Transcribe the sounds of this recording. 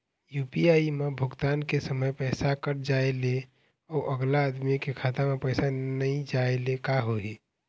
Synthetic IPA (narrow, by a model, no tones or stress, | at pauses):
jupiaimebʱʊɡt̪ankesəməjpɛjsakəɾd͡ʒaele | ɔːʔəɡlaəd̪mikekʰat̪amepəjsanəĩd͡ʒaelekaɦoɦi